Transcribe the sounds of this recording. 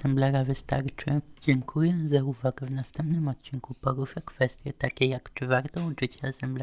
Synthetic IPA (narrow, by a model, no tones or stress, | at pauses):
ɛmblɛɾavɘst̪a̰ɾt͡ʂɘd͡ʑɛŋkʰujɛzauvaɡɛvnast̪ɛmpnɘmɔt̪̚t͡ɕiŋkupɔɾuʂɛkfɛst̪ʲjɛt̪akʲɛjakt͡ʂɘvaɾt̪ɔuʐɘt͡ɕaːsɛmblɛ